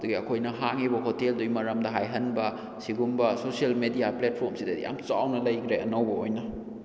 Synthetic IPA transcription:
duɡiɐkʰojnɐɦaŋibɐɦoteldujmɐɾɐmdɐɦajɦɐnbɐ | siɡumbɐsosielmedijaplet̚pʰoɾmsidɐ̰ja̰mt͡ʃawnɐlɐjkʰɾeʔɐ̰nɐwbɐojnɐ

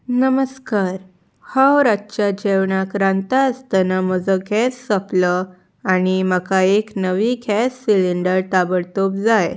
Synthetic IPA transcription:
nəməskaɾ | hawɾatːɕad͡ʑeʋɳakɾãnt̪ast̪anam̤əd͡zəɡʱɛsːəplə | añiməkaeknəʋiːɡʱɛsːiliɳɖəɾt̪abəɽt̪op̚d͡zaj

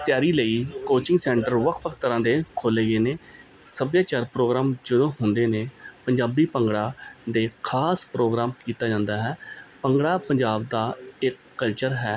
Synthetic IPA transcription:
t̪ɪjaːɾiːləiːkoːt͡ʃɪ̃ŋɡsɛ̃ːɳʈəɾʋəkʰʋəkʰt̪əɾãːd̪eːkʰoːleːɡeːneː | səbjaːt͡ʃaːɾpɾoːɡɾaːmd͡ʒəd̪õːɦʊnd̪eːneːpəɲd͡ʒaːbiːpəŋɡɽaːd̪eːkʰaːspɾoːɡɾaːmkiːt̪aːd͡ʒãːnd̪aːɦɛːpəŋɡɽaːpəɲd͡ʒaːbd̪aːɪkːəlt͡ʃəɾɦɛː

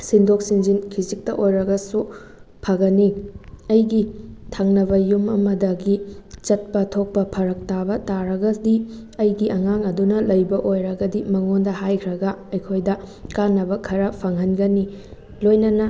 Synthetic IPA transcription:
sindok̚sind͡ʒinkʰizik̚tɐʔojɾɐɡɐsu | pʰɐɡɐniɐjɡitʰaŋnɐbɐjumɐ̰mɐdɐɡit͡ʃɐt̚pɐtʰok̚pɐpʰɐɾɐk̚tabɐtaɾɐɡɐdi | ɐjɡiʔɐŋaŋɐdunɐlɐjbɐʔojɾɐɡɐdimɐŋondɐhajkʰɾɐɡɐɐjkʰojdɐkanːɐbɐkʰɐɾɐpʰɐŋɦɐnɡɐni | lojnɐnɐ

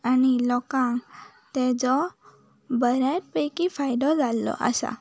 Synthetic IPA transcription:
anilɔkãŋ | t̪ed͡zɔ | bəɾaʈ̚pəjkifʰajɖ̪ɔd͡zalːɔ̰ʔa̰sa̰

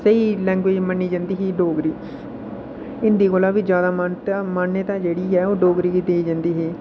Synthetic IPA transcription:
səiːlɛ̃ːŋɡʋeːd͡ʒmənːiːd͡ʒãːnd̪iːɦiːɖoːɡɾiː | ɪnd̪iːɡolaːʋiːd͡ʒjaːd̪aːmant̪amaːnːət̪ãːd͡ʒeːɽiːɦɛːoːɖoːɡɾiːkiːd̪eːiːd͡ʒãnd̪iːɦiː

